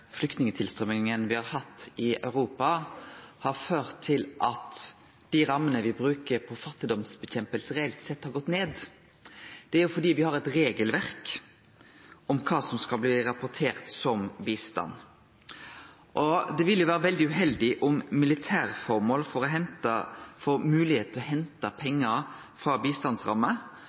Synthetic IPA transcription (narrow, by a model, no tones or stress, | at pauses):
flʏk̚t̪nɪŋət̪ʰɪlst̪ɾœmɪŋənʋɪhɑɾhɑt̪ːɪœ̰ʉɾuːpɑhɑɾføːɾt̪ʰːɪlʔɑt̪ | d̪̥iːɾɑmːənəʋɪbɾʉːkəɾpʰɔfɑt̪ːɪd̪ɔmsbɛçɛmpəlsəɾɛɛlt̪sɛt̪ːhɑɾɡɔt̪ːneːd̪ | d̪̥ɛæɾjʊfɔɖ̪iːʋɪhɑɾɛt̪ɾeːɡəlʋæɾk | ɔmkʰɑːsɔmskɑlbliːɾɑpʊɾt̪ʰeːɾt̪sɔmbiːst̪ɑ̰nː | ʔɔd̪ɛʋɪljʊʋæːɾəʋɛld̪ɪʉɦɛld̪ɪʔʊmːɪlɪt̪ʰæːɾfɔɾmoːlfɔɾɔɦɛnt̪ɑfɔmʉːlɪheːt̪ʰɔhɛnt̪ɑpʰɛŋːəɾ | fɾɑːbiːst̪ɑnd̪sʁɑ̰mːə